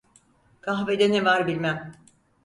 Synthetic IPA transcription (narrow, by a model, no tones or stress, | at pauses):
kʰaxved̪ɛnɛvaɾbilʲmæm